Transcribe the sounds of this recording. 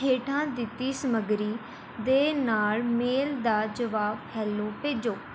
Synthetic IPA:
ɦeːʈʰãːd̪ɪt̪ːiːsəməɡɾiː | d̪eːnaːlmeːld̪aːd͡ʒəʋaːbhɛːloːpeːd͡ʒoː

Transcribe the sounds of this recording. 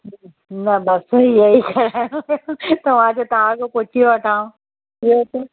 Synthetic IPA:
nɐbɐsɦiɐikʰɐɾajũjt̪ɐʋãd͡ʑot̪aãkopoʈʰijoɐʈʰaːũ | iot̪o

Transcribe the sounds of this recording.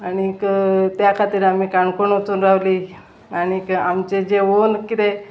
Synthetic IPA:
anikt̪jakʰat̪iːɾam̤iːkaɳkoɳot͡suːnɾaʋliː | añikamt͡ɕed͡ʑeʋonkit̪e

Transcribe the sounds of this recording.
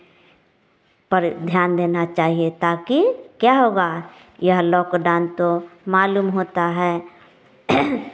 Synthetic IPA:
pəɾd̪ʱjaːnd̪eːnat͡ʃaːɦiet̪aːkikjaːɦoːɡa | jɐɦlɔːkɖaːnt̪omaːluːmɦoːt̪aɦɛː

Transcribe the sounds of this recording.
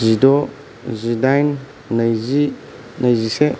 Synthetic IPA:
zidɔ | zidajnː | ɐjzi | nɐjzise

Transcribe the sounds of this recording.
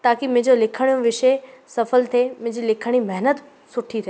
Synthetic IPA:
t̪aːkimɪ̃ɦd͡ʑolɪkʰəɽ̃ijũʋɪʃesɐfəlt̪ʰemɪ̃ɦɪ̃d͡ʑilɪkʰəɽ̃imɛɦnət̪ | sʊʈʰit̪ʰeː

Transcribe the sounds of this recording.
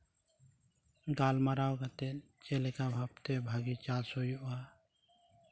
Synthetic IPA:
ɡaːlmaɾawɡat̪ɛt͡ʃelɛkabʱap̚t̪ebʱaɡit͡ʃaːsojuʔa

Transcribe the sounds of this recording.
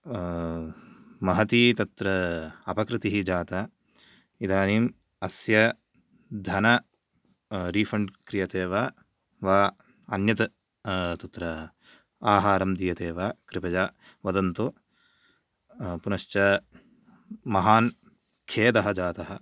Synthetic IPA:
mɐɦɐt̪it̪ɐt̪ɾɐɐpɐkɾɪt̪iɦid͡ʒaːt̪ɐ | id̪aːniːm | ɐsjɐ | d̪ʱɐnɐ | ɾiːfɐɳɖkɾijɐt̪eːʋaː | ʋaː | ɐnjɐt̪ɐ | t̪ɐt̪ɾɐ | aːɦaːɾɐmd̪ijɐt̪eːʋaːkɾɪpɐd͡ʒaː | ʋɐd̪ɐnt̪o | punɐʃt͡ʃɐ | mɐɦaːn | kʰeːd̪ɐɦɐd͡ʒaːt̪ɐɦɐ̆

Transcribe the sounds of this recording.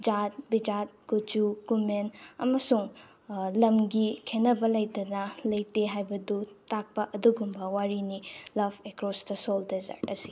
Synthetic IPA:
d͡ʒat̚bid͡ʒat̚ɡud͡ʒukumenɐ̰mɐsuŋ | lɐmɡikʰenːɐbɐlɐjtɐnɐlɐjteɦajbɐdutak̚pɐʔɐduɡumbɐwaɾinilɐbʰekɾɔsdɐsoldezɐ̰ɾtɐsi̥

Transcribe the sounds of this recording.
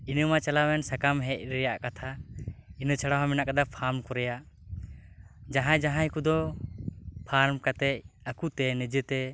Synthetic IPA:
inəmat͡ʃalawɛnsakamɦɛc̚ˀɾɛjaʔkat̪ʰainət͡ʃʰaɽaɦamɛnaʔkad̪apʰaɾmkɔɾɛjaʔ | d͡ʒaɦãd͡ʒaɦãikud̪ɔ | pʰaɾmkat̪ɛc̚akut̪ɛnɛd͡ʒət̪ɛ

